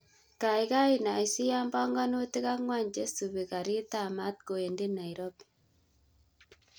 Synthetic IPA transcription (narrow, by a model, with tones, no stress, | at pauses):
ka˨i˨ɣa˦i˨na˨i˨si˦ja˦mba˦ŋɡa˦no˦ti˦ɣa˦ŋwa˦˨ɲd͡ʒe˦su˨βi˨ɣa˨ɾi˦t̪a˦˨ma˦t̪̚ɡo˨e˨ndi˦na˨i˨ɾo˦b